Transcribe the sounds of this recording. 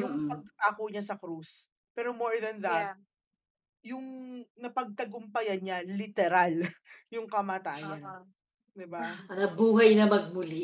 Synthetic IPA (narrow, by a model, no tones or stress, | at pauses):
jʊŋpɐɡ̚ʔaːkoɲɐsɐkɾus | pɛːɾomoɹðɐnðɐt̪̚ | jʊŋnɐpɐɡ̚t̪ɐɡʊmpɐjɐɲalɪt̪ɛɾaljʊŋkɐmaːt̪aːjɐn | d̪ɪbanɐbuːɦɐjnɐmɐɡ̚mʊli